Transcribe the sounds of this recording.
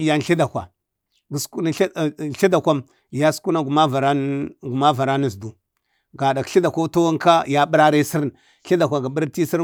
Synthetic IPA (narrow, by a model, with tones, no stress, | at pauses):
ja˦n˨ɬi˦da˨kʷa̰˨ | ɡsku˦n˨˦˨ɬi˦da˨kʷa˦m | ja˦sku˦na˦ɡu˨ma˦va˨ɾa˦ɡu˨ma˦va˨ɾa˦nu˨zdu˨ | ɡa˨da˨kɬi˦da˨ka˦ta˦wa˦ŋka˦ja˦ɓi˦ɾa˦ɾa˦si˦ɾ | ɬi˦da˨kʷa˨ɡa˨ɓə˦ɾti˦si˦ɾ